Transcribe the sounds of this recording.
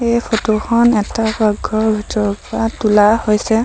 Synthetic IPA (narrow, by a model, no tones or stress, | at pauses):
ejpʰotokʰɔnɛtabaɡʱːɔbʱitɔɹpɔɹatulahojsɛ